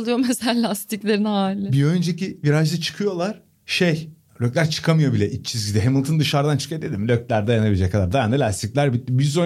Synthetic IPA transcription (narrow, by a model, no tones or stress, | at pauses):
lˠujomeselalʲast̪iclʲeɾinhaːlʲɪbiø̞nd͡ʒeciviɾaʒd̪ɛt͡ʃʰɯ̥kʰɯjo̞lˠaɾ̥ | ʃej | lʲøclʲæɾt͡ʃʰɯ̥kʰamɯjo̞bilʲɛʔit͡ʃʰizɟʲid̪ɛɦemɯlˠt̪ʰɯnd̪ɯʃaɾd̪ant͡ʃʰɯ̥kad̪ed̪ʲimlʲøc̚lʲæɾd̪ajanabilʲed͡ʒɛckʰːad̪aɾd̪ajand̪alʲast̪ʰiclʲæɾbit̪̚ːibizo